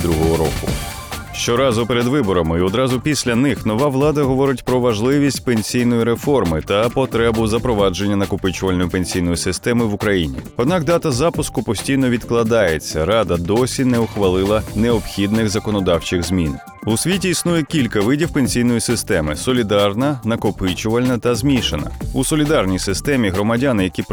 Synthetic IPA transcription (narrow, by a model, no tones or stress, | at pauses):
d̪ɾuɦɔɦɔɾɔkʊ̰ | ʃt͡ʃɔɾɑzʊpeɾed̪ʋɪbɔɾɐmɪiɔd̪ɾɑzʊpʲisʲlʲɐnɪxnɔʋɑʋlˠɑd̪ɐɦɔʋɔɾɪtʲpɾɔʋɐʒlˠɪʋʲisʲtʲpenʲsʲijnɔjiɾefɔrmɪt̪ɐpɔt̪ɾɛbʊzɐpɾɔʋɑd͡ʒe̞nʲːɐnɐkʊpɪt͡ʃɐlʲnɔjʊpenʲsʲijn̪ɔjisɪst̪ɛmɪʋʊkɾɐjinʲḭɔd̪nɑkd̪ɑt̪ɐzɑpʊskʊpɔsʲtʲijnɔʋʲid̪klˠɐd̪ɑjet͡sʲːɐɾɑd̪ɐd̪ɔsʲinɛʊxʋɐlˠɪlˠɐneɔbxʲid̪nɪɣzɐkɔnɔd̪ɑwt͡ʃɪɣzmʲin | ʊsʲʋʲitʲiːsnujɛkʲilʲkɐʋɪdʲiwpenʲsʲijn̪ɔjisɪst̪ɛmɪsɔlʲid̪ɑrnɐnɐkʊpɪt͡ʃʊʋɐlʲnɐt̪ɐzmʲiʃenɐ̰usɔlʲid̪ɑrnʲijsɪst̪ɛmʲiɦɾɔmɐdʲanɪjɐkʲip